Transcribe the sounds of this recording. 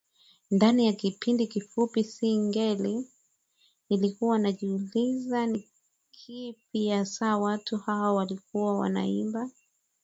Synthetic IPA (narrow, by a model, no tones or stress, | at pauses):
ndanijakipindikifupisiŋɡɛli | nilikuwanaʄiulizani | kʰip̚ijasaːwatuhawawalikuwawa̰na̰imba